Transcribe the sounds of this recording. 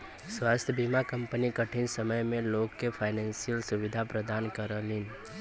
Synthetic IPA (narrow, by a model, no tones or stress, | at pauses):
swaːst̪ʰjəbimakɐ̃mpənikəʈʰɪnsɐməjmẽloːɡkepʰaːɪnɛ̃ːnsijəlsʊʋɪd̪ʱapɾəd̪aːnkəɾəlin